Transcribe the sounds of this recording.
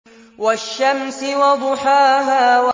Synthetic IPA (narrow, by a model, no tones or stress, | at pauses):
waʃːamsɪwɑd̪ˤʊħaːɦaːwa